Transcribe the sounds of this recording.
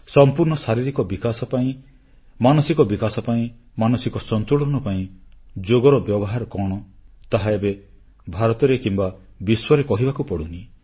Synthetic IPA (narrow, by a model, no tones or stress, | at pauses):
sɔmpuɾɳɔsaɾiɾikɔbikasɔpaĩ | manɔsikɔbikasɔpaĩ | manɔsikɔsɔnt̪uɭɔnɔpaĩd͡ʒoɡɔɾɔbjɔbɔɦaɾɔkɔɽ̃ɔt̪aɦaebe | bʱaɾɔt̪ɔɾekimba | biswɔɾekɔɦibakupɔɽuni